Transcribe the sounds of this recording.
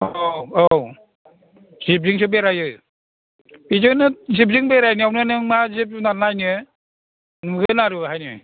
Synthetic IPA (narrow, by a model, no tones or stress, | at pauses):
oow | zip̚ziŋsʰubeɾajɯ | izɯnɯzip̬̚ziŋbeɾajnɯawnɯnɯmazip̚sunanajnɯ | ŋɯɡɯnaɾɯɦajnɯ